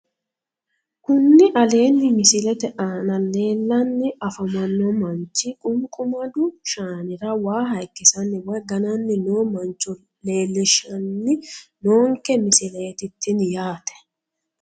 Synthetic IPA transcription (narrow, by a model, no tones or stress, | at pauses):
kʊnːɪʔɐle̞ːnːɪmɪsɪlɛt̪ɛʔaːnɐle̞ːlːɐnːɪɐfɐmɐnːɔmɐnt͡ʃːɪkʼʊŋkʼʊmɐd̪ʊʃaːnɪɾɐwaːɦɐjkːɪsɐnːɪwɐɡɐnɐnːɪnoːmɐnt͡ʃːɔ | le̞ːlːɛʃɐnːɪnoːŋkɛmɪsɪlɛɛt̪ɪt̪ːɪnjaːt̪ɛ̥